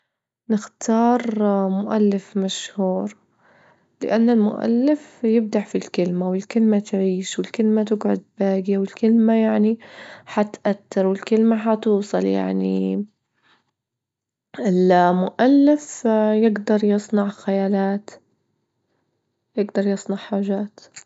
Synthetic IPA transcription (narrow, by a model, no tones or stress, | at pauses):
nɪxt̪ʰɑːɾˤmʊʔa̰lːɪfmaʃhuːɾ | lɪ̰ʔanːalmʊ̰ʔa̰lːɪfjɪb̚d̪aʕfilkɪlmawɪlkɪlmat̪ʕiːʃwɪlkɪlmat̪ɪɡʕʊ̰d̪̚baːɡjawɪlkɪlmajaʕniħat̪ʔat̪ːɪɾwɪlkɪlmaɦat̪uːsˤɑlja̰ʕnḭ | ɪlmʊʔalːɪfjɪɡd̪ɑɾˤjɨsˤnɑʕxajaːlaːt̪ | jɪɡd̪ɑɾˤjɨsˤnɑʕħaːʒaːt̪